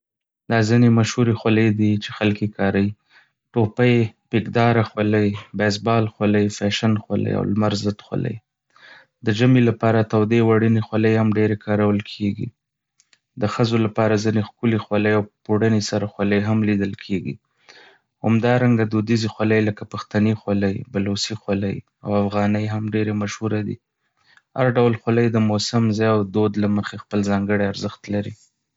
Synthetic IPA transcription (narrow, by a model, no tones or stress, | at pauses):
d̪̥ɑzinemaʃhuɾexwaləjd̪it͡ʃexalkekɑɾawi | ʈopajpekd̪ɑɾaxwaləjbɛsbɑlxwaləjfaʃanxwa̰lə̰ja̰wlmaɾzət̪xwa̰lə̰j | d̪əʒamelapɑɾat̪awd̪ewaɽənexwaləjhamɖeɾekʰɑɾawəlkʰeɡḭ | d̪əxəzolapɑɾazinexkulexwaləjawpoɽənesaɾaxwaləjɦamlid̪əlkʰeɡḭ | ha̰md̪ɑɾaŋɡad̪od̪izixwaləjləkapaxt̪anixwaləjbalosixwalə̰j | a̰wafɣɑnəjɦamɖeɾemaʃhuɾad̪ḭ | ha̰ɾɖawlxwaləjd̪əmosamzɑjawd̪od̪laməxexpəlzɑŋɡəɽeaɾzəxt̪laɾḭ